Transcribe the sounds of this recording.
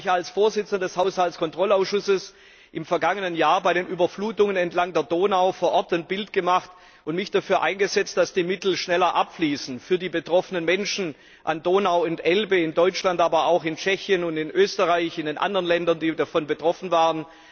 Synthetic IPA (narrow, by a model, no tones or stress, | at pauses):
çalsfoːɐzɪt͡sən̩dɐdɛshaʊshaltt͡skʰɔntʁ̥ɔlaʊsʃʊsəs | ʔɪmfɛɐɡaŋənənjaːɐbaɪɾeːnʔyːbɐfluːtʊŋənɛntlaŋdeːɐdoːnaʊfoːɐʔɔɐtanb̥ɪltɡ̥əmaχt | ʔʊntmɪçd̥afyːɐʔaɪnɡəzɛt͡st̚d̥asd̥iːmɪtl̩ʃnɛlɐʔapfliːsn̩fyːɐdiːbətʁ̥ɔfənənmɛnʃn̩ | ʔandoːnaʊʊntʔɛlbəɪndɔʏt͡ʃlantʔaːbɐaʊxɪnt͡ʃɛçjənʊntɪnʔøːstəʁaɪçɪndeːnʔa̰ndəʁɐənlɛndɐndiːdafɔnbətʁ̥ɔfn̩vaːʁən